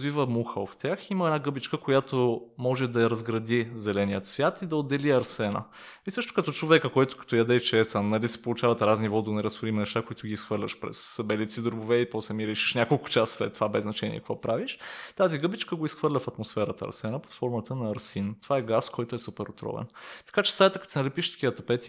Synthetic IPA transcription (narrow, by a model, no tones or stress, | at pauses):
zvivəmuxəft̪ʲaximəɛdnaɡɤbit͡ʃkəkojat̪omɔʒɛd̪ɐɐɾɐzɡɾɐd̪izɛlɛnijət̪svjat̪id̪ɐod̪ːɛliɐɾsɛnə̰ | isɤʃt̪ʊ̥kɐt̪ɔt͡ʃovɛkəkojt̪ʊ̥kɐ̥t̪ɔjɐd̪ɛt͡ʃɛsənːɐlisɛ̥polˠʊt͡ʃavɐt̪ɾaznivɔd̪nɛɾɐsfoɾimnɛʃt̪akoit̪ʊɡʲiːsxvɤɾlʲɐʃpɾɛ̰sːɐbɛlit̪sid̪oɾbovɛipɔslɛmiɾɛʃi̥ʃnʲakolˠkʊ̥t͡ʃasslɛt̪ːovabɛznɐt͡ʃɛnʲḭɛ̰kkvɔpɾaviʃt̪aziɡɤbit͡ʃkəɡoisxvɤɾlʲəfɐt̪mosfɛɾət̪ə̰ɐ̰ɾsɛnəpo̥t̪fɔɾmət̪ənɐːɾsint̪ovaɛɡaskɔjt̪oɛsupɛɾot̪ɾɔ̰vɛ̰nt̪ɐ̥kat͡ʃɛ̥sajt̪ək̪sɛnɐlɛpiʃt̪ɐ̥kʲivət̪ɐpɛt̪i̥